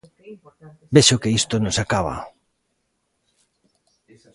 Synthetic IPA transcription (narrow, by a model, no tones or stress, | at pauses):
beʃokeist̪onosakaβa̰